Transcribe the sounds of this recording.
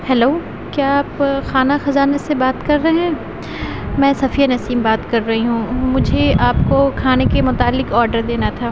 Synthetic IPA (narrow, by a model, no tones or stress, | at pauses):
hɛloː | kjaːpxaːnaxɐzaːnesebaːt̪kɐɾːɐɦɛ̃ː | mɛ̃ːsɐfijanɐsiːmbaːt̪kɐɾːɐɦiɦũːmʊd͡ʒʱeaːpkokʰaːnekemʊt̪aːlːɪkɔːɾɖəɾd̪eːnat̪ʰaː